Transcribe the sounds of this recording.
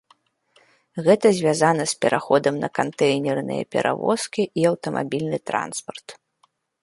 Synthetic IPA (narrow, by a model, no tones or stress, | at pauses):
ɣɛt̪ɐzʲvʲazanɐspʲɛɾʔaxɔd̪ɐmnɐkant̪ɛjnʲɛrnɨ̰jɐ̰pʲɛ̰ɾʔa̰vɔ̰skʲiʔiɐwt̪ɐmʔa̰bʲilʲnɨt̪ɾa̰nspɐrt̪